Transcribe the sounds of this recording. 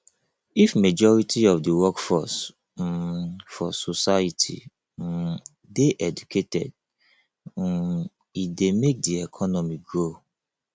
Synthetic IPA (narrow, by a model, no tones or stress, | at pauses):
ifmed͡ʒɔɹitʰiɔfdiwɔkfɔs | fɔsosaitʰḭ | deʔɛd͡ʒukʰetɛ̰d̚ | idemek̚diɛkʰɔnɔmiɡɹo